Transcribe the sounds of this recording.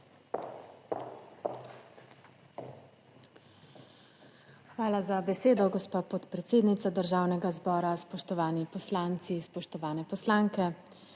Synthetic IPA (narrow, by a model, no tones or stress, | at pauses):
xʋaːlazabɛseːd̪ɔɡɔspaːpɔt̪pɾɛt̪seːd̪nit̪ad̪əɾʒaːwnɛɡazbɔːɾaspɔʃt̪ɔʋaːnipɔslaːnt̪sispɔʃt̪ɔʋaːnɛpɔslaːŋkɛ